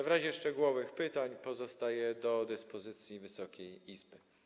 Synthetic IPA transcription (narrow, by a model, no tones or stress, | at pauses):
vɾaʑɛʂt͡ʂɛɡuwɔvɘxpɘt̪aɲpɔzɔst̪ajɛd̪ɔd̪ɘspɔzɘt̪sʲjivɘsɔkʲejizbɘ